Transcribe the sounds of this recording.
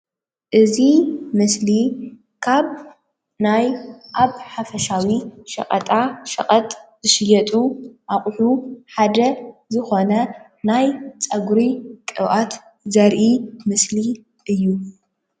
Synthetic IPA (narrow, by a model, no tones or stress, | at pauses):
ʔɨzimɨsli | kʰaβ | najʔaβħafɐʃawiʃɐ̰qʼɐ̰t̪ʼaʃɐ̰χʼɐt̪ʼzɨʃɨjɛt̪ʼuʔaχʼħuħad̪ɐzɨxonɐ | najt͡sʼɐɡɾikʼɨβʔat̪ | zɐɾʔimɨsli | ʔɨjːu